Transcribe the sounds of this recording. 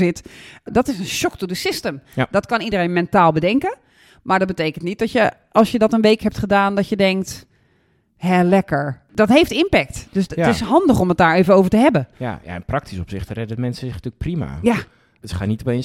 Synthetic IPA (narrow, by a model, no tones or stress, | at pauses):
zɪtdɔtɪsənʃɔktudəsɪstəmdɔtkɑnidəɾenmɛntaːlˠbədɛŋkə | maɹdɔt̚bəteːkən̩tnit̚dɔtjə | ʔɑlˠsjədɔtənʋeːkɦɛp̚tχədaːndɔtjədɛŋk̚t | ɦɛlɛkəɹ | d̥ɔtɦejftɪnpɛk̚td̥østɪsɦɑndəχɔmət̚daːɹeːvənoːvəɹtəɦɛbənja̰ja̰ɪ̰nprɑk̚tisɔpsɪχtərɛdəɔtmɛnsəzɪtyːlək̚prima̰ja | ətχaːnitopejn